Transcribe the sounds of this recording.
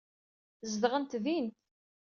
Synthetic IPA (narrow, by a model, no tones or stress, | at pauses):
zd̪ʁənt̪ðint̪